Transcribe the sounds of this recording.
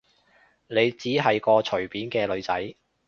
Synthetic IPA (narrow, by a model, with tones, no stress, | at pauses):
ne˨˧jt͡siː˨˥ɦɐ˨jkɔː˧t͡ʃʰɵ˨˩ɥpiː˨˥nkɛː˧lɵ˨˧ɥt͡sɐ˨˥j